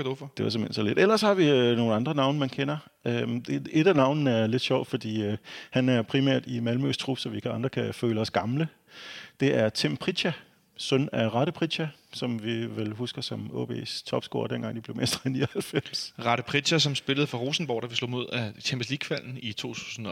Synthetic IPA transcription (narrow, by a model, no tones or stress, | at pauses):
dufd̥e̝ʋɑ̈semhḛn̰̥sɒle̝d̥elɐshɑ̈ʋino̝ːn̩ɑ̈nd̥ʁɐnɑ̈ʊnəmænkʰenɐ | ø̥ee̝d̥ænɑ̈ʊ̰nn̩æɐle̝d̥ɕɒʊd̥fɒ̽d̥ḭːhænæɐpʰʁimæ̰ɐd̥imælmø̰st͡sʰʁub̥sɒ̽ʋikʰɑ̈nd̥ʁɐkʰæføːləɒ̽sɡ̥ɑ̈mlə | d̥e̝æɐt͡sʰempʰʁi̥ɕæ | sœnæʁɑ̈ɾəpʰʁidɕæ | sɒ̽mʋiʋelɦusɡ̥ɐsɒ̽mɔ̰ːb̥ʰḛːst͡sʰɒ̽b̥sɡ̥o̝ːɐd̥en̰ɡɑ̈ŋd̥ib̥le̝ʊmesd̥ʁɐeniːɐhælfem̰sʁɑ̈ɾ̥əpʰʁi̥ɕæsɒ̽msb̥e̝ləð̞̩ˠfɑ̈ʁoːsn̩b̥ɒ̰ʊ̰̥æʋislɔ̰̽ːmo̝ð̞̰ˠæt͡ɕʰemb̥əsliɡ̥fæl̰n̩it͡sʰo̝̰ːt͡sʰu̥̰ːsn̩